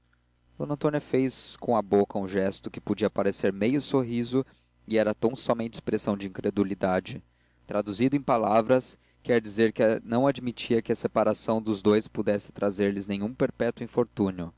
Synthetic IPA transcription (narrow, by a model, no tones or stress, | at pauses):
d̪̥õnɐ̃nt̪õnjɐfejskõɐbokɐũʒɛst̪ʊkɪ̥pod͡ʒiɐpaɾeseɾmejʊsoɦizʊ | iɛɾɐt̪ɐ̃w̃sɔmẽnt͡ʃɪ̥spɾesɐ̃w̃d͡ʒɪĩŋkɾed̪ulid̪ad͡ʒɪ | t̪ɾad̪uzid̪ʊẽj̃palavɾɐs | kɛɾd͡ʒizeɾkɪɐnɐ̃w̃ad͡ʒmit͡ʃiɐkɪɐsepaɾasɐ̃w̃d̪ʊzd̪ojspud̪ɛsɪ̥t̪ɾazeɾlɪznẽɲũpeɾpɛt̪wĩfoɾt̪ũnjʊ